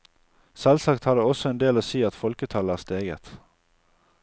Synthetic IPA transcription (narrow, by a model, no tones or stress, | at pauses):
sɛlsɑkt̪hɑd̪əɔsɔeːnd̪eːloːsiːɑt̪fɔlkət̪ʰɑləæːʁst̪eːɡə̰t̪